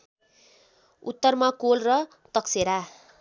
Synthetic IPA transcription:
ṵt̪ːʌrmakolrʌ | t̪ʌkseɾa

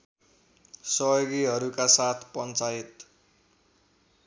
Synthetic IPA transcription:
sʌɦjoɡiɦʌɾukasat̪ʰpʌnt͡sajit̪

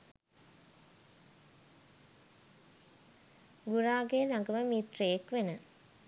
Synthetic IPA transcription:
ɡuɾaːɡeːlaŋɡəməmiːt̪reːkʋenə

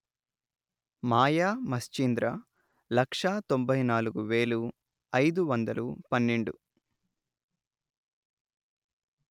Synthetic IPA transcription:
maːjaːmɐst͡ʃind̪ɾɐ | lɐkʂaːt̪o̞mbɐjnaːluɡuʋeːlu | ɐjd̪uʋɐnd̪ɐlupɐnːeɳɖu

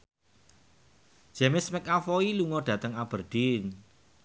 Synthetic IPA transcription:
ʒ̥ɛmɪsmɪkafɔiluŋɔɖ̥ä̤t̪əŋab̥ərɖ̥in

